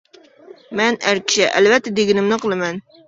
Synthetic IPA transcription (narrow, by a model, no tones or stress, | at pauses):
mɛnæɾkʲʰɪ̥ʃɛʔæ̰lvɛt̪ːɛd̪eɡʲɪnɪmnɨqəlˠɨmɛn